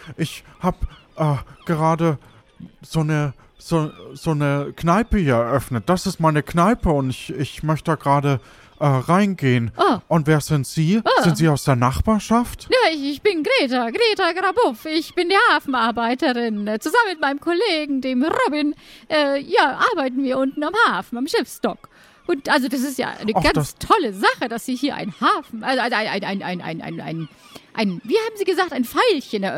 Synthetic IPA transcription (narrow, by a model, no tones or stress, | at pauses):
ʔɪçhaːbʔɛːɡ̥əʁaːdə | z̥oːnə | z̥oːz̥oːnəknaɪpəhiːɐɛɐʔœfnət̚d̥asɪstmaɪnəknaɪpəʊntɪçɪçmœçtəd̥aːɡ̥ʁaːdə | ʔɛːʁaɪnɡeːənʔaʔʊntv̥eːɐz̥ɪntz̥iːzɪntz̥iːaʊsd̥eːɐnaχb̥aːɐʃaftjaːɪçb̥ɪnɡʁeːtaɡʁeːtɐɡʁabʊfɪçb̥ɪndeːɐhaːfn̩aɐbaɪtəʁɪnt͡suzamənmɪt̚maɪnəmkʰoleːɡŋ̩deːmʁɔbɪnʔɛːjaːʔaɐbaɪtn̩viːɐʔʊntn̩amhaːfn̩amʃɪfstɔk | ʔʊntʔalzod̥as̬ɪstja̰ːʔa̰ɪnəɡ̥anstʰɔləzaχəd̥asz̥iːhiːɐʔa̰ɪnhaːfn̩ʔalzoalzaɪna̰ɪna̰ɪnʔa̰ɪnʔa̰na̰ɪna̰ɪn | ʔaɪnviːhaːb̚m̩ziːɡəzaːk̚taɪnfaɪlçənɛɐ